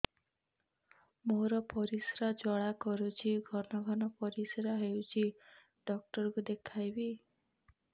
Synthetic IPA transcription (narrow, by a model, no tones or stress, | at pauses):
moɾɔpɔɾisɾad͡ʒɔɭakɔɾut͡ʃʰiɡʱɔnɔɡʱɔnɔpɔɾisɾaɦewt͡ʃʰi | ɖɔk̚ʈɔɾkud̪ekʰajbi